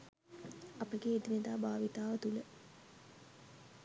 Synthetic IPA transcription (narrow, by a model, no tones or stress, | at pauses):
ɐpəɡeːd̪ined̪aːbaːʋit̪aːʋət̪ulə